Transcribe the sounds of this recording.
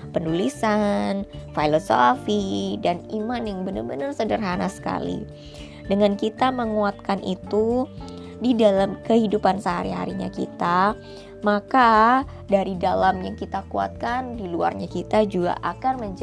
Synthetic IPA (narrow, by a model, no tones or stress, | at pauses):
pənulisanfailoso̰fidanimanjaŋbənərbənərsədərɦanasə̥ka̰lḭ | dəŋankit̪aməŋuat̪̚kanʔit̪u | didalamkəɦidupansəɦa̰ɾiɦa̰ɾiɲa̰kḭt̪a | maka | daɾidalamjaŋkit̪akua̰t̪̚kandilua̰rɲakit̪ad͡ʒuɡa̰ʔakanməɲd͡ʒ